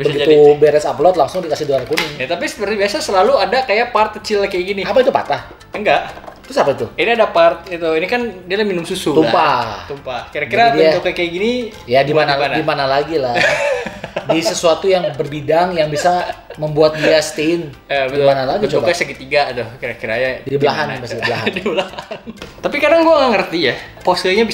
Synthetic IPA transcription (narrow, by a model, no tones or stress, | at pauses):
bəɡiubeɾɛsaplɔt̪̚laŋsʊŋdikasɪhduarkunɪŋnat̪apisəpəribiasasəlaluadakajapart̪̚kət͡ʃɪlakajɡiniapait̪upa̰t̪ah | əŋɡaʔt̪ɾʊsapait̪uiniadapart̪̚it̪uinikandialahminʊmsusut̪ulmpat̪umpakiɾakɡkiɾadat̪ukakaiɡini | jadimanaandimanalaɡila | disəsuat̪ujaŋbərbidaŋjaŋbisaməmbuat̪̚diast̪in | əbətimanalaɡit͡ʃobaasaɡit̪iɡadɔhkiɾakiɾajaibəlaɦanbasdiəlaɦadibəlahant̪apikardaŋɡuaŋaŋərt̪ijapɔsəlɲabi